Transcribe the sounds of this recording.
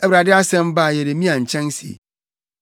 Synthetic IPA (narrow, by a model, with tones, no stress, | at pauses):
e˦bɾa˨dɪ˦a˦sɛ̃˦m̩˦ba˦˨je˨ɾe˨˦mĩ˦ã˨n̩˨t͡ʃʰɛ̃˦n˦sḭ˨ḛ˨